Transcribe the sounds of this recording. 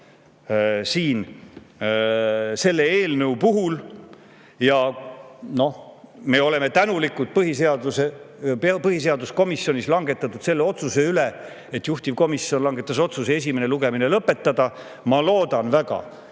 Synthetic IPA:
siːn | se̞lːeeːlnɤupuɦul | jɑ | no̞hme̞ːo̞le̞me̞t̪ænulikːˑult̪̚pɤɦiseɑd̪useppɤɦise̞ɑd̪usko̞misjo̞nislɑŋɡe̞t̪ːˑɑt̪ːˑud̪̥se̞lːe̞o̞t̪suse̞yle | et̪juht̪ivko̞misjio̞nlɑŋɡe̞t̪ːˑɑso̞t̪susee̞sʲime̞ne̞luɡe̞mine̞lɤpːe̞t̪ːˑɑd̪̥ɑ | mɑlo̞ːd̪̥ɑnvæɡ̥ɑ̰

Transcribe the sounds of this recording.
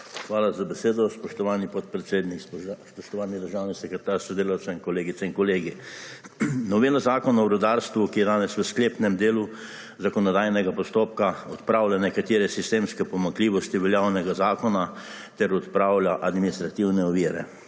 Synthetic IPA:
xʋaːlazabɛseːd̪ɔspɔʃt̪ɔʋaːnipɔt̪̚pɾɛt̪seːd̪nikspɔʃt̪ɔʋaːnid̪əɾʒaːwnisɛkɾɛt̪aːɾsɔd̪eːlawt̪sɛiŋkɔleːɡit̪sɛinkɔleːɡi | nɔʋeːlazaːkɔnɔbɾɔd̪aːɾst̪ʋukijɛd̪aːnɛsʋəskleːpnɛmd̪eːlu | zakɔnɔd̪aːjnɛɡapɔst̪oːp̚kaɔt̪pɾaːwlʲanɛkat̪eːɾɛsist̪eːmskɛpɔmaŋkliːʋɔst̪iʋɛljawnɛɡazaːkɔna | t̪ɛɾɔt̪pɾaːwlaʔad̪minist̪ɾat̪iwnɛɔʋiːɾɛ̰

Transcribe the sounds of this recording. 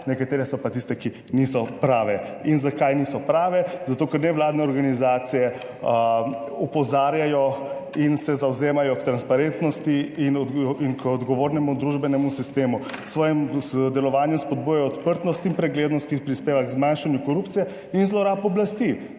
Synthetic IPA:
nɛkat̪eːɾɛsɔpat̪ist̪ɛki | niːsɔpɾaːʋɛinzakajniːsɔpɾaːʋɛzat̪oːkɛɾnɛʋlaːd̪nɛɔɾɡanizaːt̪sijɛ | ɔpɔzaːɾjajɔinsɛzawzeːmajɔkt̪ɾanspaɾent̪nɔst̪iːnɔinkɔd̪ɡɔʋoːɾnɛmud̪ɾuʒbɛnɛmusist̪eːmusʋɔːjɛmd̪ɛlɔʋaːnjɛspɔd̪̚bujajɔːt̪pəɾt̪nɔst̪impɾɛɡleːd̪nɔst̪kipɾispeːʋaɡzmanʃanjukɔɾupt̪sijɛ | inzlɔɾaːpɔblast̪i

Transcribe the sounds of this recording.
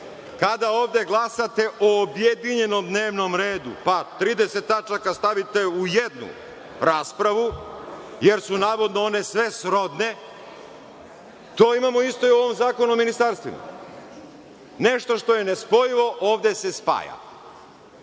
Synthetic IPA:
kad̪aoːʋd̪e̞ɡlˠasat̪e̞ʔoːbjed̪iɲe̞no̞md̪neːʋno̞mɾeːd̪ṵpat̪ɾiːd̪eset̪ːat͡ʃakast̪aʋit̪e̞ujed̪nṵ | ɾaːspɾaʋu | jeɾsunaːʋo̞d̪noone̞sʋesɾo̞d̪ne̞ | t̪oːimamoist̪o̞iuoʋo̞mzaːko̞nuominist̪aɾst̪ʋḭma̰ | neʃt̪o̞ʃt̪o̞jenespo̞jiʋo̞ʔoːʋd̪e̞se̞spa̰ːja̰

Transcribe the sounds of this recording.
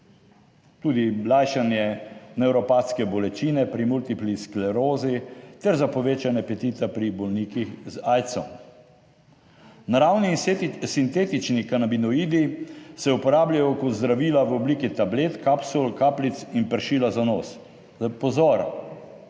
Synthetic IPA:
t̪uːd̪ilajʃanjɛnɛwɾɔpaːt̪skɛbɔlɛt͡ʃiːnɛpɾimult̪iplisklɛɾoːzit̪ɛɾzapɔʋeːt͡ʃanɛpɛt̪iːt̪ɛpɾibɔlniːkixzaːjt̪sɔm | naɾawnisint̪eːt̪it͡ʃnikanabinɔiːd̪isɛupɔɾaːblʲjajɔkɔt̪zd̪ɾaʋiːlaʋɔbliːkit̪ableːt̪kapsulkaːplit̪sinpəɾʃiːlazanoːs | pɔzɔːɾ

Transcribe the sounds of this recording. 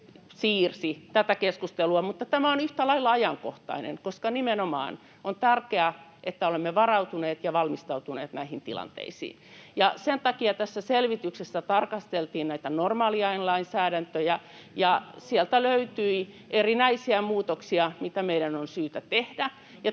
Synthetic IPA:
siːrsit̪æt̪ækeskust̪eluɑmut̪ːɑt̪æmæonyht̪ælɑilːɑɑjɑŋkoht̪ɑ̰inḛŋkoskɑnimenomɑ̰ːn | ont̪ærkeæʔet̪ːæolemːeʋɑrɑut̪uneːt̪jɑʋɑlmist̪ɑut̪unḛːt̪næihint̪ḭlɑ̰nt̪ḛisḭːnjɑsent̪ɑkiɑt̪æsːæselʋit̪yksesːæt̪ɑrkɑst̪elt̪iːnnæit̪ænormɑːliɑinlɑinsæːɾænt̪øjæ | jɑsiɛlt̪æløyt̪yi | ʔerinæisiæmuːt̪oksiɑmit̪æmeiɾænonsyːt̪æt̪ehdæ | jɑ

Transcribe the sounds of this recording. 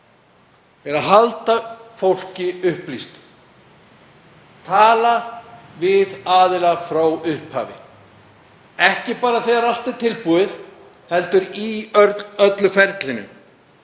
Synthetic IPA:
ɛɾaðɦalt̪afowl̥cɪʏhplist̪ | t̪ʰaːlavɪðaːðɪlafɾawʏhpha̰ːvɪ̰ | ɛhcɪpaːɾaθeɣaɾal̥t̪ɪt̪ʰɪlpuɪθ | hɛlt̪ʏɾi | œt̪lʏfɛɾt̪lɪnːʏ̰

